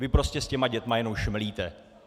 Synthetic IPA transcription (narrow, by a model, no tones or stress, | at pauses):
vɪpɾo̞scɛscɛmaɟɛt̪majɛnowʃmliːt̪ɛ